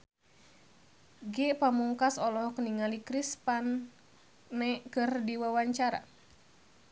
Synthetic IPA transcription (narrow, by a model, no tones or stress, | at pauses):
ɡɛpamuŋkasɔlɔhkəniŋalikɾispanː | ɛkɨrdiwawaɲt͡ʃaɾa̰